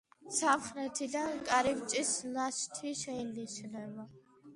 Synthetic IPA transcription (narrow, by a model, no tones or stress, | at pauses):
samχɾɛt̪ʰid̪ankʼaɾivt͡ʃʼislast̪ʰiʃɛjliʃnɛba